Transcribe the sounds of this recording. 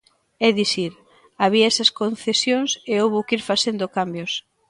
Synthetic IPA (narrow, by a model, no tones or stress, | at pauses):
ɛðiθiɾ | aβiaɛsɐskon̟θesjoŋseowβokiɾfaθend̪okambjʊs